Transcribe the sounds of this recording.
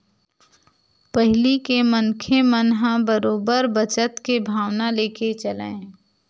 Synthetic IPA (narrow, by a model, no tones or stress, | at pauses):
pəɦlikemənkʰemənɦãbəɾoːbəɾbət͡ʃət̪kebʱaːʋnaleːkʰet͡ʃəlã̰ː